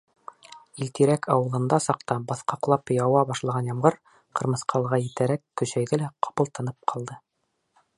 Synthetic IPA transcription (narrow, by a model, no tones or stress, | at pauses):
ilt̪iɾækʰɑwɤ̆lˠɤ̆nd̪ɑsɑqt̪ɑbɑθqɑqlˠɑpjɑwɑbɑʃlˠɑʁɑnjɑmʁɤɾ | qɤ̆ɾmɤ̆sqʰɑlˠʁɑjɘ̆t̪æɾækːɵ̆ʃæjðɘlæqɑ̥pɤ̆lˠt̪ɤ̆nɤp̚qʰɑlˠd̪ɤ